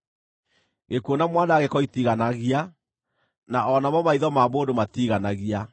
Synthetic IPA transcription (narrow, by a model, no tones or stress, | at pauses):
ɣekuonamwandaɣekɔitiɣanaɣia | naʔɔnamɔmaiðɔmaːmoːdomatiɣanaɣia